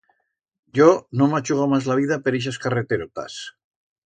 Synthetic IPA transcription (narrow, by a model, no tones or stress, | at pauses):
ɟ͡ʝonomat͡ʃuɣamazlaβiðapeɾiʃ̬askaret̪eɾot̪a̰s